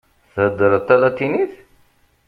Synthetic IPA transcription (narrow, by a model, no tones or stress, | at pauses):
θəd̪əɾət̪ːælæt̪ːiniθ